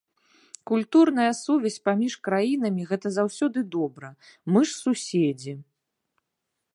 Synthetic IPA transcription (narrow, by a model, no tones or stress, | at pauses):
kulʲt̪urnɐjɐsuvʲɛsʲpamʲiʂkɾajin̪ɐmʲiɣɛt̪ɐzawsʲɔd̪ɨd̪ɔbɾɐmɨʂsusʲed͡zʲi